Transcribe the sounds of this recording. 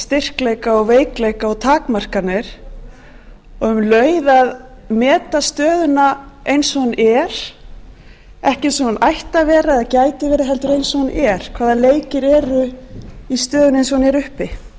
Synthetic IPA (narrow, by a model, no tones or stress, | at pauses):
st̪ɪr̥klejkaɔɣveːjklejkaɔɣt̪ʰaːkmar̥kanɪɾ̥ | ɔɣʏmlœːɥðað | mɛːt̪ast̪œːðʏnaejnsɔhunɛɾ̥ | ɛhcɪnsɔunʔajht̪avɛːɾaɛðcaːjt̪ɪvɛːɾɪɦɛlt̪ʏɾejnsɔhunɛɾ̥kʰv̥aːðaleːjcɪɾɛːɾʏist̪œːðʏnejnsɔhunɛɾʏhpɪ